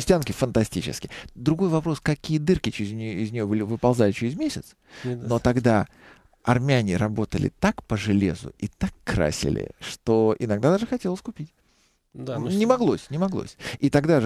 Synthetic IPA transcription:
sʲtʲankʲɪfənt̪ɐsʲtʲit͡ɕɪ̰skʲɪd̪ɾʊɡo̞jvɐpɾo̞skɐkʲijəd̪ɨrkʲɪt͡ɕɪɾʲɪzʲnʲɪzʲnʲɪjo̞bɨlʲɪvɨpɐlˠzalʲɪt͡ɕɪɾʲɪzmʲesʲɪt̪s | no̞t̪ɐɡd̪a | ɐrmʲɪanʲɪɾɐbo̞t̪əlʲɪ̰t̪akpəʐɨlʲḛzʊ̰it̪akːɾa̰sʲɪ̰lʲɪ̰ʂt̪o̞ɪnɐɡd̪ad̪aʐɨxɐtʲelˠəsʲkʊpʲit̪ʲ | nʲɪmɐɡlˠo̞sʲnʲɪmɐɡlˠo̰sʲit̪ɐɡd̪aʐ

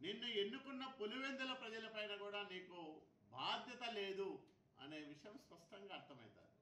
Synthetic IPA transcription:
ninːue̞nːukunːɐpoluʋend̪ɐlɐpɾɐd͡ʒɐlɐpɐjnɐkuːɽaːniːku | bʱaːd̪ʱjɐt̪ɐle̞ːd̪u | ɐ̰ne̞ːʋiʂɐjɐmspɐʂʈɐŋɡaːɾt̪ʰɐmɐ̰jt̪a̰ːɾu

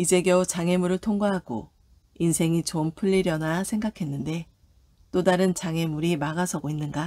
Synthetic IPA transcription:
id͡ʑe̞ɡjʌut͡ɕaŋe̞muɾɯɭtʰoŋɡaɦaɡo̰ | insʰe̞ŋit͡ɕompʰɯʎːiɾjʌnasʰe̞ŋɡakʰe̞nːɯnde̞ | t͈odaɾɯnt͡ɕaŋe̞muɾimaɡasʰʌɡoinːɯnɡa

